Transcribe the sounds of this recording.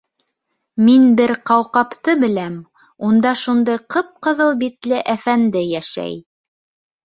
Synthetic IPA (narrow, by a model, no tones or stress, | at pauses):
minbɘɾqɑwqɑpt̪ɤbɘ̆læm | und̪ɑʃund̪ɤjqɤp̚qɤ̆ðɤlˠbit̪lɘʔæfænd̪ɘjæʃæ̰j